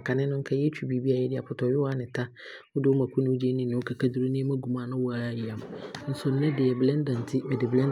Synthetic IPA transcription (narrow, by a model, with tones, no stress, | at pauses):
kʰa˨nɪ̃˦nʊ̃˦ŋ̩˦kʰa˦jɛ˦t͡ɕʰᶣu˦bi˦bi˦a˨jɛ˦dɪ˦a˨pʰʊ˨tʰɔ˨jʊ˦a˦nɪ̃˨tʰa˦ | wʊ˦dɪ˦wʊ˦mã˨kʰʷu˦nʊ̃˦ʊ˦d͡ʑi˦e˦nĩ˦˨nʊ̃˨˦o˦kʰa˨kʰa˦du˦ɾi˦nĩ˦mã˦ɡu˨mãː˨nʊ̃˦wa˨ɾa˦˨ji˨a˨m̃˨˦n̩˦sʊ˨n̩˦nɛ̃˦dɪ˨jɛ˨blɛ̃˦ndã˨n˨tʰɪ˦bɛ˨dɪ˨blɛ̃˦n